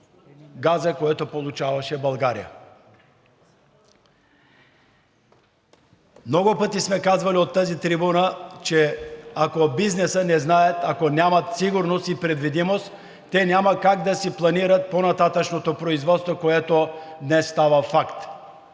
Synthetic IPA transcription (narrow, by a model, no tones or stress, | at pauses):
ɡazəkoɛt̪opolˠut͡ʃavaʃɛbalˠɡaɾḭja̰ | mnɔɡupət̪ismɛkazvaliot̪ːazit̪ɾibunat͡ʃɛakobiznɛsənɛznaɛt̪akonʲamat̪siɡuɾnost̪ipɾɛd̪vid̪imost̪ | t̪ːɛnʲjamakaɡd̪asiplˠaniɾat̪̚ponat̪at̪at͡ʃnot̪opɾoizvɔt̪st̪vokoɛt̪od̪nɛsːt̪avafakt̪